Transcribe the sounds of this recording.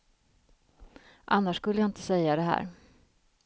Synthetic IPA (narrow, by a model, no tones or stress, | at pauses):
ʔanːaʂkɵlːəjaɪnt̪əsɛjːad̪ɛɦæ̰ːɾ